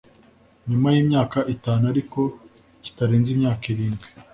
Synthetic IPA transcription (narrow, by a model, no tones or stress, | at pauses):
ɲumajiːmɲaːkaʔitaːnuaɾiko̞ | ci̥taɾeːnzimɲaːkiɾiːmɡwe